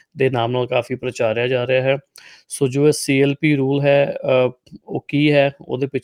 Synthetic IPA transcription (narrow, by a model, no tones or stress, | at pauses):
d̪eːnaːmnaːlkaːfʰiːpɾət͡ʃaːɾjaːd͡ʒaːɾɪaːɦɛːsoːd͡ʒoːɛːsiːɛːlpiːɾuːlɦɛː | o̰ːkiːɦɛːo̰ːd̪eːpɪt͡ʃ